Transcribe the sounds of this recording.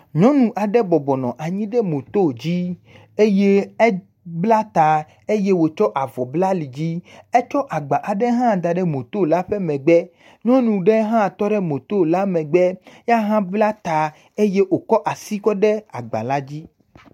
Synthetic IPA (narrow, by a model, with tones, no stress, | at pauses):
ɲɔ̃˦nũ˨ʔa˨ɖɛ˦bɔ˨bɔ˨nɔ̃˨ʔa˨ɲĩ˦ɖɛ˦mõ˨t̪o˦˨d͡ʑi˦ | e˦je˦ɛ˦ | bla˦t̪a˨ | e˦je˦wo˨t͡ʃɔ˦ʔa˨vɔ˨bla˦li˨d͡ʑi˦ɛ˦t͡ʃɔ˦ʔa˨ɡ͡ba˨ʔa˨ɖɛ˦ɦã˦˨d̪a˨ɖɛ˦mõ˨t̪o˦˨la˦ɸɛ˦mɛ̃˨ɡ͡bɛ˦ | ɲɔ̃˦nũ˨ɖɛ˦ɦã˦˨t̪ɔ˦ɖɛ˦mõ˨t̪o˦˨la˦mɛ̃˨ɡ͡bɛ˦ja˦ɦã˦bla˦t̪a˨ | e˦je˦ʔwo˨kɔ˦ʔa˨si˦kɔ˦ɖɛ˦a˨ɡ͡ba̰˨la˦d͡ʑi˦